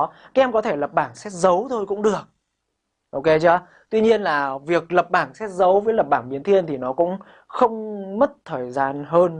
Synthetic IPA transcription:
kaː˦˥ʔɛ˧mkɔ˨˦t̪ʰe˧˩lə˨˩p̚ɓaː˧˩nsɛ˦˥t̚zə˨˦wt̪ʰo˧jkʊ̰˧˥ŋ͡mɗɨ˨˩ək̚ | ʔo˧wke˨˦t͡ɕəː˨˦ | t̪wi˧ɲi˧ənlaː˨˩vi˨˩ək̚lə˨˩p̚ɓaː˧˩nsɛ˦˥t̚zə˨˦wvəː˨˦jlə˨˩p̚ɓaː˧˩ŋɓi˨˦ənt̪ʰi˧ənt̪ʰi˨˩nɔ˨˦kʊ̰˧˥ŋ͡m | xə˧wŋ͡mmə˦˥t̚t̪ʰəː˨˩jzaː˧nɦəː˧n

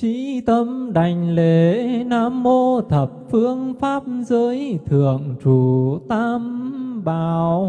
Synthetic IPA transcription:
t͡ɕi˧˥t̪ə˧mɗa˨˩jŋ̟le˨˩˨naː˧˦mːo˧t̪ʰə˨˩p̚fɨ˧əŋfaː˦˥p̚zəː˨˦jt̪ʰɨ̰˧˨əŋt͡ɕu˧˩t̪aː˧mɓaː˧˨˩w

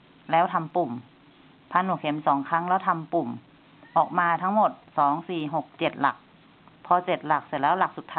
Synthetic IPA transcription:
lɛː˧˥˨wt̪ʰa˧˨mpu˨˩m | pʰa˧˥˨nuː˧˩kʰe˨˩˦msɔː˩˦ŋkʰa˧˥˨ŋlɛː˧˥˩wt̪ʰa˧˨mpu˨˩m | ʔɔː˨˩k̚maː˧˥t̪ʰa˦˥ŋmo˨˩t̪̚sɔː˩˦ŋsiː˨˩ɦo˨˩k̚t͡ɕe˨˩t̪̚la̰˨˩k̚ | pʰɔː˧t͡ɕe˨˩t̪̚la˨˩k̚si˧˩lɛː˦˥wla˨˩k̚su˨˩t̪ʰːaː˧

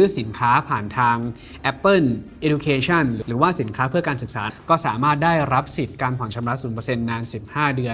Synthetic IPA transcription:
ɯː˦˥si˩˦nkʰaː˦˥pʰaː˨˩nt̪ʰaː˧ŋ | ʔɛ˦˥pːɤ˥˩nʔe˦˥du˧kʰeː˧t͡ɕʰɔ˥˩nɾɯː˨ɾɯː˩˦waː˥˩si˩˦nkʰaː˦˥pʰɯ˥˩ɐkaː˧nsɯ˨˩k̚saː˩˦kɔː˥˩saː˩˦maː˥˩t̪̚daː˥˩jɾa˦˥p̚si˨˩t̪̚kaː˧npʰɔ˨˩˦nt͡ɕʰa˧mɾa˦˥suː˩˦npəː˧se˧nːaː˧nsi˨˩p̚haː˥˩dɯ˧ə

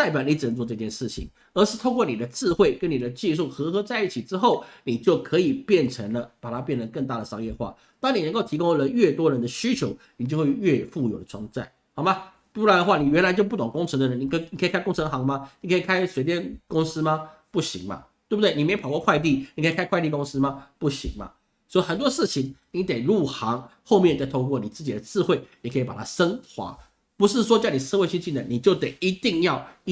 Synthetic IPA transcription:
t͡sa˥˩ɪpjɑ˨˩˦ni˧˥ʈ͡ʂɻ̩˨˩nə˧˦ŋt͡swɔ˥˧ʈ͡ʂɤ˥˧t͡ɕjɛ˥˧nʂɻ̩˥˩t͡ɕʰḭ˨˩ŋ | ə˧˥ʂɻ̩˥˧t̪ʰo˥˧kwɔ˥˩ni˨˩d̪ə˦ʈ͡ʂɻ̩˥˧xwe˥˩ɪkə˦˥nni˨˩d̪ə˦t͡ɕi˥˧ʂ̬u˥˩xɤ˧˥xɤ˧˥t͡sa˥˧ɪi˥˩t͡ɕʰi˨˩ʈ͡ʂɻ̩˥xo˥˩ʊni˨˩t͡ɕjo˥˩ʊkʰɤ˧˥i˨˩pjɛ˥˩nʈ͡ʂʰə˧˥ŋlə˧pa˨˩t̪ʰa˥pjɛ˥˩nd̪ə˩kə˥˧ŋt̪a˥˩d̪ə˩ʂɑ˥ŋjɛ˥˧xwa̰˥˩ | t̪ɑ˥ŋni˨˩nə˧˥ŋko˥˩ʊt̪ʰi˧˥kʊ˥ŋ˧lə˦ɥɛ˥˩t̪wɔ˥ɻə˧˥nd̪ə˧ɕy˥t͡ɕʰjo˧˥ʊni˨˩t͡ɕjo˥˧ʊxwe˥˧ɥɛ˥˧fu˥˩jo˨˩ʊd̪ə˦˩ʈ͡ʂʰwɑ˥ŋt͡sa̰˥˩ɪ | xɑ˨˩ʊma˦˧˥ | u˥a˧˥d̪ə˧xwa˥˩ni˨˩ɥɛ˧˥nla˧ɪt͡ɕjo˥˧ʊp̬u˥˩t̪ʊ˨˩ŋkʊ˥ŋʈ͡ʂʰɤ˧˥ŋd̪ə˧ɻə˧˦ni˨˩kʰni˨kʰə˧˥˨kʰa˥ɪkʊ˥ŋʈ͡ʂʰɤ˧˥ŋxɑ˧˥ŋma˦ni˨˩kʰə˦˥i˨˩kʰa˥ɪswe˧˥ɪt̪jɛ˥˧nkʊ˥ŋsɹ̩˥ma˧pu˥˩ɕḭ˧˦ŋma̰˦t̪we˥˩bt̪wni˨˩me˧˥ɪpʰɑ˨˩kwɔ˥˧kʰwa˥˧ɪt̪̬i˥˨˩ni˨kʰə˧˥i˨˩kʰa˥ɪkʰwɪt̪i˥˧kʊ˥ŋs̩˥ma˧pu˥˩ɕḭ˧˥˦ŋma̰˦ | swɔ˧˥i˨˩xə˨˩nt̪wɔ˥ʂɻ̩˥˩t͡ɕʰi˧˦ŋni˨˥t̪e˨˩ɪɻu˥˩xɑ˧˥ŋxo˥˧ʊmjɛ˥˩n˨˩t͡sa˥˧t̪ʰo˥ʊkwɔ˥˨˩ni˨˩t͡sɹ̩˥˩t͡ɕi˨˩d̪ə˦t͡sɹ̩˥˧xwe˥˩ɪni˨˩kʰɤ˧˥i˨pa˨˩a˥ʂə˥ŋxwa̰˨˧˥ | pu˧˥ʂ̬ɻ̩˥˩ʂ̬wɔ˥t͡ɕjni˨˩s̩˥˧we˥ɕi˥˧nt͡ɕi˥nə˨˦ni˨˩t͡ɕjo˥˩ʊt̪e˨˩ɪi˧˥t̪i˥˧ŋjɑ˥˨ʊ

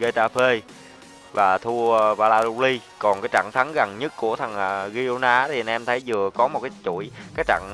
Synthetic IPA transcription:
ɣə˧t̪aː˧pʰe˧ | vaː˨˩t̪ʰu˧ə˧vaː˧laː˧zu˧li˧kɔ˨˩nkaː˨˦jt͡ɕa̰ː˧˨ŋt̪ʰa˨˦nɣa˨˩ŋɲə˦˥t̚ku˧˩ət̪ʰə˨˩ŋʔaː˧˩ɣi˧o˧naː˧˦t̪ʰi˨˩ʔnʔɛ˧mt̪ʰə˨˦jzɨ˨˩əkɔ˨˦mo˨˩t̚kaː˨˦t͡ɕṵ˧˩˨jkaː˨˦˥jt͡ɕa̰ː˧˨ŋ

